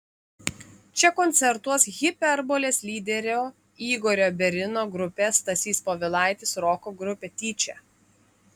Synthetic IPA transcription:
t͡ʃʲɛkɔnʲt̪sʲɛɾt̪uɔsɣʲɪpʲɛɾbolʲeːsʲlʲiːd̪ʲɛɾʲoː | iːɡɔːɾʲoːbʲɛɾʲɪnoːɡɾʊpʲɛst̪ɐsʲiːspoːʋʲɪlˠɑˑɪt̪ʲɪsɾɔːkoːɡɾʊpʲeːt̪ʲiːt͡ʃʲɛ̰

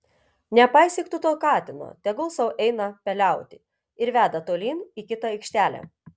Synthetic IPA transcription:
nʲɛpɑˑɪsʲiːkt̪ʊt̪oːkɑːt̪ʲɪno̰ːt̪ʲɛɡʊlˠsɐʊʔɛɪnɐpʲɛlʲæˑʊt̪ʲɪ | ɪɾʋʲæːd̪ɐt̪oːlʲiːniːkʲɪt̪ɐɛɪkʃʲt̪ʲæːlʲæ̰ː

